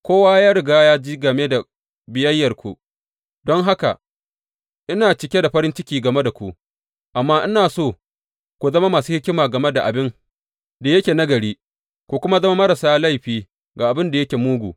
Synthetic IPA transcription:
kʷoː˦waː˦jaː˦ɾɪ˨ɡaː˦jaː˦d͡ʒi˦ɡɐ˨meː˦da˨ | bɪ˨jɐ˦jːɐ˨rkʷṵ˨ | dɔ˦ŋɦa˦ka̰˨ | ʔɪ˦naː˨t͡ʃɪ˨kʲe˦da˨ɸɐ˦ɾɪ˦nt͡ʃɪ˦kʲiː˨ɡɐ˨me˦da˨kʷṵ˨ʔ | ʔa˨mːaː˦ʔɪ˦naː˨soː˦˨ | kʷu˨zɐ˦ma˦maː˨suː˦hɪ˦kʲɪ˦maː˨ɡɐ˨me˦da˨ʔa˨bɪ˦ŋ | da˨jɐ˦kʲeː˨nɐ˦ɡɐ˨ɽiː˦ | kʷu˨kʷʊ˦ma˦zɐ˦ma˦mɐ˦ɾa˨saː˦la˦jɸiː˨ | ɡa˨ʔa˨bɪ˦nda˨jɐ˦kʲe˨muː˦ɡʷṵː˨

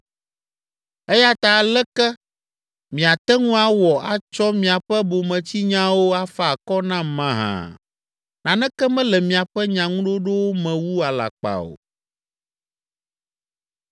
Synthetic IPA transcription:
ɛ˦ja˦t̪a˨lɛ˦kɛ˦ | mĩ˨a˨t̪ɛ˦ŋũ˦a˦wɔ˨a˨t͡ʃɔ˦mĩ˨a˨ɸɛ˦bo˨mɛ̃˨t͡ɕi˦ɲã˦wo˦a˦fa˨kɔ˦nã˦mã˦ɦã̰˨ | nã˨nɛ̃˦kɛ˦mɛ̃˦lɛ˨mĩ˨a˨ɸɛ˦ɲã˨ŋũ˦ɖo˦ɖo˦wo˦mɛ̃˨wu˦a˨la̰˨k͡pa̰˨o̰˨

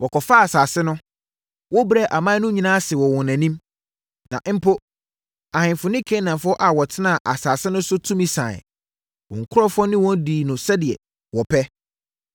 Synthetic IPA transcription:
wʔɔ˨kʰɔ˨fa˦a˨saː˨sɪ˦nʊ̃˦ | wɔ˦bɾɛ˦˨ʔa˨mã˦nʊ̃˦ɲĩ˨nãː˦sɪ˨wɔ˨wɔ̃˨næ̃˨nĩ˦m | nã̰˨ʔm̩˦pʰo˦ | a˨hɪ̃˨fʊ˨nɪ̃˦kʰẽ˦nã˨fʊ˦ɔ˦ʔa˨wɔ˨tʰɪ˦nã˦˨ʔa˨saː˨sɪ˦nʊ̃˦sʊ˦tʰũ˦mĩ˨sã̰˨ɪ̰˨ | wɔ̰̃˨ŋ̩˨kʰʊ˦ɾɔ˦fɔ˦nɪ̃˦wɔ̃˦n˦diː˨nʊ̃˨sɛ˦dɪ˨ɛ̰˨ | wɔ˨pʰɛ˦

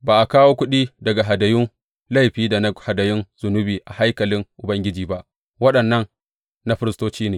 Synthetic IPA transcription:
baː˨ʔa˨kaː˦woː˦kʷʊ˦ɗiː˦dɐ˨ɡa˨ɦa˨dɐ˨jʊ˦n | la˦˨jɸiː˦da˨n˦ha˨dɐ˨jʊ˦nz̥ʊ˨nʊ˦biː˨ʔa˨ha˦jkɐ˨lɪ˦ŋʔʊ˨bɐ˦ŋɡʲɪ˦d͡ʒiː˨ba˦ʔ | wɐ˦ɗɐ˨nːɐ˦n | na˦ɸɪ˦ɾɪ˦stoː˦t͡ʃiː˦neː˨

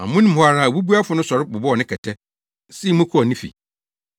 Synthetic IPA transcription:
ã̰˨mʊ̃˦nɪ̃˦m̩˨hʊ˦a˨ɾa˨wu˦bu˦a˦fʊ˦nʊ̃˦sɔ˨ɾɪ˦bʊ˨bɔ˦ɔ˨nɪ̃˦kʰɛ˨tʰɛ˦ | si˦i˦mʊ̃˦kʰʊ˦ɔ˨nĩ˦fḭ˨

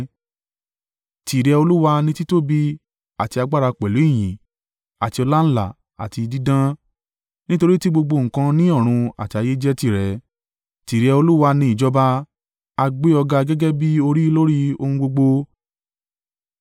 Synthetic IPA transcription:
ti˨ɾɛ˧o˧lu˦wa˧nĩ˦ti˦to˦bi˦ | a˦˨ti˧a˧ɡ͡ba˦ɾa˧k͡pɛ˨lu˨˦i˦˨j̃ĩ˨ | a˨ti˧ɔ˧la˦n̩˦la˦˨ | a̰˨ti˧di˦dã˦ | nĩ˦to˧ɾi˦ti˦ɡ͡bo˧ɡ͡bo˧˨ŋ̩̃˨kã˧nĩ˦ɔ˦˨ɾ̃ũ˧a̰˨ti˧˦a˧je˦d͡ʒɛ˦ti˦˨ɾɛ˨ | ti˨ɾɛ˧o˧lu˦wa˧nĩ˧˦i˨d͡ʒɔ˦ba˧ | a˧ɡ͡be˦ɔ˧ɡa˧ɡɛ˦ɡɛ˦bi˦o˧ɾi˦lo˦ɾi˦o˧hũ˧ɡ͡bo˧ɡ͡bo˧

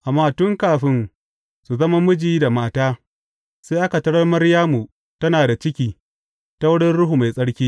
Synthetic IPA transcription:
ʔa˨mːaː˦tʊ˦ŋkaː˨ɸɪ˦n | su˨zɐ˦ma˦mʊ˦d͡ʒiː˦da˨maː˦taː˦ | seː˦ʔa˦ka˨tɐ˦ɽɐ˦rmɐ˦ɽjaː˦mu˨ | tɐ˦naː˨da˨t͡ʃɪ˦kʲiː˨ | ta˦wʊ˦ɽɪ˦nɽʊ˦ɦu˨ma˨jsʼɐ˦ɽkʲiː˦

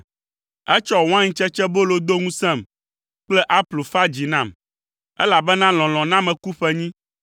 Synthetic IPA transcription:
ɛ˦t͡ʃɔ˦˨w̃ã˦ɲĩ˦t͡ʃɛ˦t͡ʃɛ˦bo˦lo˦d̪o˦ŋũ˦sɛ̃˦˨m | k͡plɛ˦ʔa˦plu˨fa˦d͡ʑi˨nã˦˨m | ɛ˦la˨bɛ˦nã˦l̃ɔ̃˨l̃ɔ̃˨nã˦mɛ̃˨ku˦ɸɛ˦ɲĩ˦

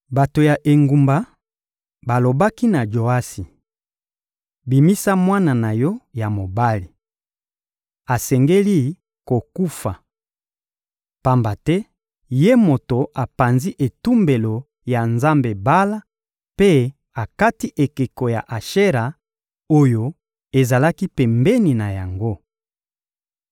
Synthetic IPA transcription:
ba˨to˨ja˨ʔe˨ŋɡu˨mba˨ | ba˨lo˨ba˦ki˦na˨d͡ʒo˨a˦si˨ | bi˨mi˦sa˦mwa˦na˨na˨jɔ˦ja˨mo˨ba˦li˨ | a˨sɛ˨ŋɡe˦li˦ | ko˨ku˦fa˨ | pa˦mba˨tɛ˦ | je˦mo˨to˨ʔa˨pa˨nzi˦ʔe˨tu˦mbe˨lo˨ | ja˨nza˦mbe˨ba˦la˦ | pe˦ | a˨ka˦ti˦ʔe˨ke˨ko˨ja˨ʔa˨ʃe˦ʁa˨ | o˦jo˨ | e˨za˨la˦ki˦pɛ˨mbɛ˦ni˨na˨ja˨ŋɡo˦

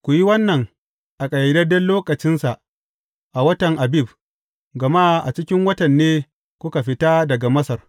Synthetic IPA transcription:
kʷu˨ji˦wɐ˦nːɐ˨ŋ | ʔa˨kʼɐ˨jɐ˨dɐ˦dɐ˦nloː˦kɐ˨t͡ʃɪ˦nsa˨ʔ | ʔa˨wɐ˦tɐ˨ŋʔa˨bi˦˨b | ɡɐ˨ma˦ʔa˨t͡ʃɪ˦kʲɪ˦ŋwɐ˦tɐ˨nːeː˦ | kʷʊ˦ka˨ɸɪ˦ta˦dɐ˨ɡa˨mɐ˦sɐ˨r

